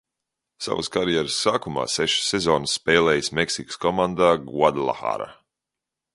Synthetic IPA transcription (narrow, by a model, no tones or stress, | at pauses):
sa̰və̰skaɾjɛɾɨsːaːkuma̰ːsɛʃi̥sːɛzɔːnsːpɛːlɛːjismɛksikskɔmand̪aːɡuad̪lˠa̰xa̰ːɾa̰